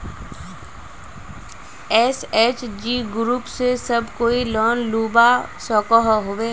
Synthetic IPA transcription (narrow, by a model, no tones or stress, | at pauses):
ɛːseːt͡ʃd͡ʒiːɡɾuːpsesɐbʱkoːilɔːnluːbasɔːkɔɦɦoʋeː